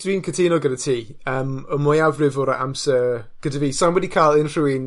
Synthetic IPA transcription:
d̥wiːnkʰətʰiːnɔɡəɾətʰiː | əːməmʊjawvrɪvʊɾa̰ʔa̰msə | ɡ̥ədəviːsanwɛdikʰaːlˠɪnr̥uin

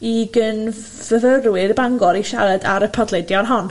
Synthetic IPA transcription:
iɡən | v̥əvərwɪrbaŋɡɔɾiʃaɾɛdaɾəpʰɔdlˠɛdjɔnɦɔn

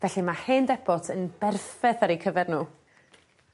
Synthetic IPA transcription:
vɛɬimaheːndɛbɔtʰənbɛrθɛθaɾikʰəvɛrnuː

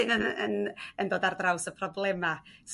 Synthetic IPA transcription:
ɪnəənəndoːdardrawsəpʰrɔblˠɛmas

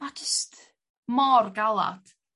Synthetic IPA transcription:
ad͡ʒɪst | mɔrɡalˠa̰d̥

